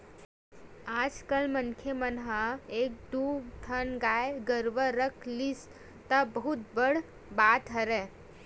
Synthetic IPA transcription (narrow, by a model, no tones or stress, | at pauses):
aːd͡ʒkəlmənkʰemənɦaeːk̚d̪ut̪ʰənɡaːjeɡəɾʋəɾəkʰlis | t̪əbəɦut̪̚bəɽ̤ | baːt̪ɦəɾɛ